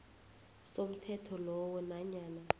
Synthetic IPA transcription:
som̩tʰɛtʰɔlɔwɔnaɲaːna

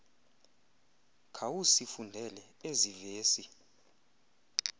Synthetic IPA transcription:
kʰawusifundʱɛlɛ | eziveːsi

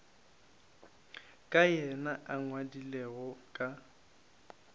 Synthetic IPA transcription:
kʼajɛnaʔaŋwadileɣɔkʼa

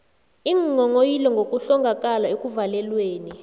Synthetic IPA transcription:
iŋŋɔŋojilɛŋɡʱokʼuɬɔŋɡʱak̬ʼalaekʼuvalɛlweːni

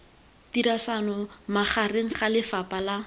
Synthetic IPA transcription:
tiɾasanɔmaχareŋ̩χalɪfapala

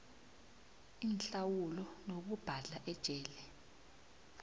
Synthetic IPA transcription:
inɬawulɔnok̬ub̥ʱaɮaʔɛd̥ʒ̥ʼʱɛːlɛ

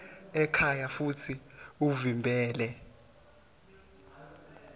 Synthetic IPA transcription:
ɛkʰajafutʰiuvimbʱɛːlɛ

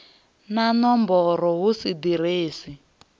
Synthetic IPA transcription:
nanɔmbɔɾɔɦusid̪iɾeːsi

